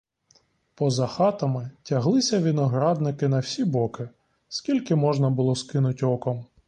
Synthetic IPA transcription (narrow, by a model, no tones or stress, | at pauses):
pɔzɐxɑt̪ɐmɪtʲɐɦlˠɪsʲɐʋʲinɔɦɾɑd̪nɪkɪnɐwsʲibɔkɪ | skʲilʲkɪmɔʒnɐbʊlˠɔskɪnʊtʲɔkɔm